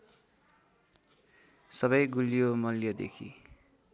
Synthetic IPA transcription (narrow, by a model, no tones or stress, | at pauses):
sʌbʌjɡulijomʌljʌd̪ḛkʰḭ